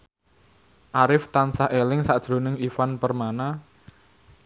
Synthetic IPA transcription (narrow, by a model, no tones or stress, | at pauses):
ʔaɾɪft̪ansaɦʔelɪŋsaʔd̥ʒ̥ɾo̤nɪŋifanpərmana